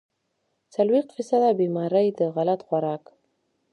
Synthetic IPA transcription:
t͡salwext̪fisad̪abimɑɾəjd̪əɣalat̪xwaɾɑk

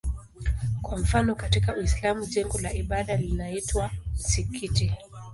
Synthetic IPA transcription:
kwam̩fanɔkatikawislamuʄɛŋɡɔlaʔiɓaɗalinaitwam̩sikʰiti

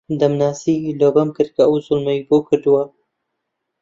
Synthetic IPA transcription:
d̪ɐmnaːsiːloːbɐmkɨɾ̚kʰɐɐwzʊlmɐbokʰɨɾd̪uwɐ

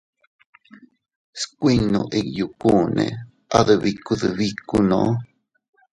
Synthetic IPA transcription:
skʷinũʔekjukunḛ̃ | aðɨβikuðɨβikunõʔ

